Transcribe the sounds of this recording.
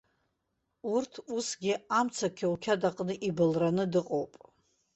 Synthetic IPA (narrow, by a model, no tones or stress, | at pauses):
urtʰusɡʲɪamt͡sʰakʲʰaukʲʰadaqʼnɨʔibɨlranɨdɨqʼowpʼ